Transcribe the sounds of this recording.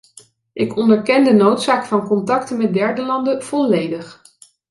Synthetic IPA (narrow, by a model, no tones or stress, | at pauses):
ʔɪkɔndəɹkɛndənowtsaːkfɑnkɔntɑktənmɛt̚dɛɹdəlɑndəv̥ɔlejdəχ